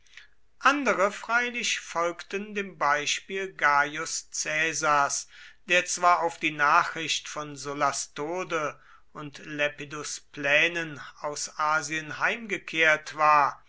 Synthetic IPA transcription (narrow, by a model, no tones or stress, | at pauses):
ʔandəʁəfʁ̥aɪlɪʃfɔlktəndeːmbaɪʃpiːlɡaːjʊst͡sɛːzaɐsd̥eːɐt͡sv̥aːɐaʊfd̥iːnaːχʁ̥ɪʃtfɔnzolastoːdə | ʊntlɛpidʊsplɛːnənaʊsʔaːziənhaɪmɡəkʰeːɐtv̥aːɐ